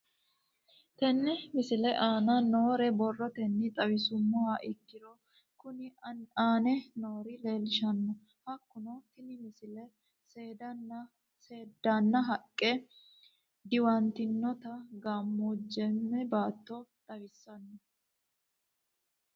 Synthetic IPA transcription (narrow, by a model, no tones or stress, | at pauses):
t̪ɛnːɛmɪsɪlɛʔaːnɐno̞ːɾɛbɔrːɔt̪ɛnːɪt̪ʼɐwɪsʊmːɔaʔɪkːɪd̪ɔ | kʊnɪaːnɛnoːɾɪle̞ːlɪʃɐnːɔ | hɐkːʊnɔt̪ɪnɪmɪsɪlɛ | seːd̪ɐnː | seːd̪ːanːɐɦɐkʼːɛ | d̪ɪwɐnt̪ɪnːɔt̪ɐɡaːmːuːd͡ʒːɛmːɛbaːt̪ːɔt̪ʼɐwɪsːɐnːɔ